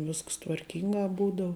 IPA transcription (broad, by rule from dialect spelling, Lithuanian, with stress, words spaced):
ˈʋʲɪsks tʋɐrʲˈkʲɪŋɡɐ ˈbuːdɐʊ